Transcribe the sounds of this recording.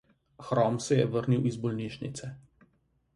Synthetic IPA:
xɾɔːmsɛjɛʋəɾniwizbɔlniːʃnḭt̪sɛ

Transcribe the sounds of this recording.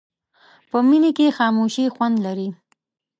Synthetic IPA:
pəminekexɑmoʃixwand̪laɾi

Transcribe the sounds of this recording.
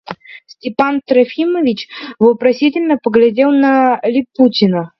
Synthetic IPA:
sʲtʲɪpant̪ɾɐfʲiməvʲɪt͡ɕvəpɾɐsʲitʲɪlʲnəpəɡlʲɪdʲelˠnəlʲɪputʲɪnə

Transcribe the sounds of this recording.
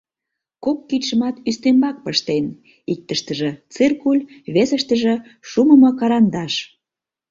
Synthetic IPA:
kokːit̪ʲʃə̆mɑt̪yst̪embɑk̚pəʃt̪en | ik̚t̪əʃt̪əʒĕt͡sɨrkulʲβesə̆ʃt̪ə̆ʒĕ | ʃuməmɤ̆kɑɾɑnd̪ɑʃ

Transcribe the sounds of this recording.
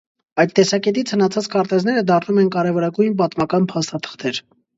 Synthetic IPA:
ɑjt̪ːɛsɑkɛt̪it͡sʰhənɑt͡sʰɑt͡skʰɑɾt̪ɛznɛɾəd̪ɑrnumɛnkɑɾɛvɔɾɑɡujnp̬ɑt̪mɑkɑnpʰɑst̪ɑt̪ʰə̥χt̪ʰɛɾ

